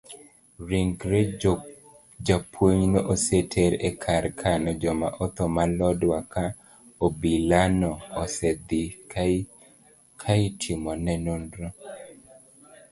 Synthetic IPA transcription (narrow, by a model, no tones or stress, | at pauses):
ɾiŋɡɾe | d͡ʒapʰwoɲnɔʔosetʰeɾɛkʰaɾkʰanɔd͡ʒɔma̰ʔɔt̪ɔmalɔdwaka | obilanɔːsɛd̪i | kʰaitʰimɔnɛnondɾɔ